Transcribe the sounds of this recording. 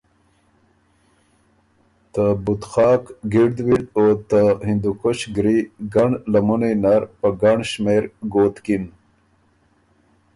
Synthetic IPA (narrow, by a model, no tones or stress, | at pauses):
t̪əbut̪xɑːkɡiɽd̪wid̪ot̪ahind̪ukoɕɡɾiɡaɳlamunenaɾpəɡaɳɕmeɾɡoːt̪kin